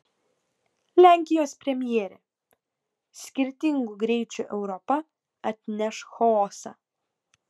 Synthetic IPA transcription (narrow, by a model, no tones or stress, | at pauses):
lʲæˑŋʲkʲɪjoːspʲɾʲɛmʲjɛɛɾʲḛ | sʲkʲɪɾʲt̪ʲɪŋɡuɡɾʲɛɪt͡ʃʲuːʔɛʊɾɔpɐ | ɐt̪ʲnʲɛʃxɔɔsɑ̰ː